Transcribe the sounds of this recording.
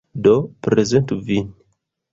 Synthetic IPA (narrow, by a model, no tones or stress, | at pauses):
dopɾezent̪uvin